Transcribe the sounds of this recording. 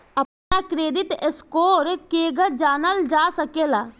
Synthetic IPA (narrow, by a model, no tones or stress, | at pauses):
ɐpnakɾeːd̪ɪt̪eskoːɾkeːɡəɾd͡ʒaːnəld͡ʒaːsəkeːlaː